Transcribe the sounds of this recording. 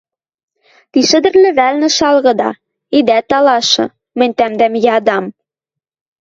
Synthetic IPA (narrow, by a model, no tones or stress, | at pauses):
t̪iʃɘ̆d̪ɘ̆rlɘ̆βælnɘ̆ʃɑlɣɤ̆d̪ɑ̰ | id̪æt̪ɑlɑʃɤ̆ | mɘ̆nʲt̪æmd̪æmjɑd̪ɑm